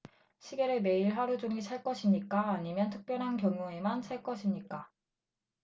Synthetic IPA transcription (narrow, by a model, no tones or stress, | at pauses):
ɕʰiɡe̞ɾɯme̞iɭɸwaɾud͡ʑuŋit͡ɕʰaɭk͈ʌɕʰimɲik͈aːɲimjʌntʰɯk̚p͈jʌnɦankjʌŋjue̞mant͡ɕʰaɭk͈ʌɕʰimɲik͈a